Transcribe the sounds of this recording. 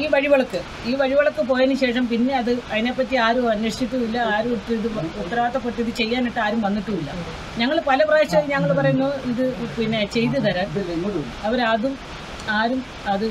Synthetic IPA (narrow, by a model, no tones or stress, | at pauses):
iːʋɐɻiʋɐɭɐkːɨ | iːʋɐɻiʋɐɭɐkːɨp̬o̞ːjenːuɕe̞ːʂɐmpinːe̞ɐðɨɐðinepːɐt̪ːiaːɾuɐnːɐʂt͡ɕit̪ːuʋilːɐaːɾumiʈːɨiðɨut̪ːɐraːt̪ːɐpːoʈːiðɨt͡ɕe̞jːaːniʈːɨaːɾumʋɐnːiʈːuʋilːɐ̰ | ɲɐŋːɐɭpɐlɐprɐeɕɐɲɐŋːɐɭpɐrɐjunːoiðɨpinːe̞t͡ɕe̞jt̪̬ːɨðɐɾɐ | ɐʋɐɾɐðum | aːɾum | ɐðɨ